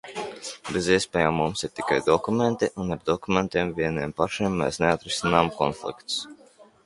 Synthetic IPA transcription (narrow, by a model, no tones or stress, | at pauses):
beziɛspʲɛːjaːmːumsiɾt̪i̥kajd̪ɔkument̪iʔunaɾd̪ɔkument̪iɛmviɛniɛmpaʃimːɛ̰ːsneat̪ɾisʲinaːmkɔ̰nflˠḭkt̪s